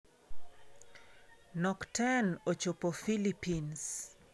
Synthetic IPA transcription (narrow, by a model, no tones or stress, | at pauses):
nɔktʰɛnot͡ʃopɔfilipʰins